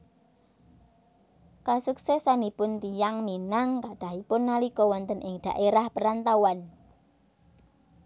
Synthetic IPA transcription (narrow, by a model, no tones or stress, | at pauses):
kasuksɛsanipʊnt̪ijaŋminaŋkaɖ̥aɦipʊnːalikɔwɔnt̪ənʔɪŋd̪̥a̤̰ʔeɾahpəɾant̪awan